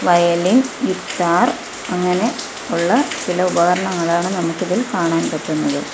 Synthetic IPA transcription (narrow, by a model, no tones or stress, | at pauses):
ʋɐjɐlinjut̪ːaːr | ɐŋːɐne̞ | uɭːɐt͡ɕilɐubɐɣɐɾɐɳɐŋːɐɭaːɳɨnɐmukːiðilkaːɳaːnpɐʈːunːɐðɨ